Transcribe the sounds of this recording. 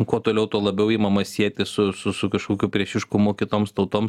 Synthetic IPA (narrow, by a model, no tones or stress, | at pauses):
kuɔt̪oːlʲɛʊt̪uɔlˠɐbʲɛʊiːmɐmɐsʲiɛt̪ʲɪsʊsʊsʊkɐʃkuːkʲupʲɾʲiɛʃʲɪʃkʊmʊkʲɪt̪oːmst̪ɐʊt̪oːms